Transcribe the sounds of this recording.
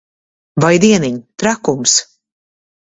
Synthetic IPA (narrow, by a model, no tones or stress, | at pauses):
vajd̪iɛniɲt̪ɾakums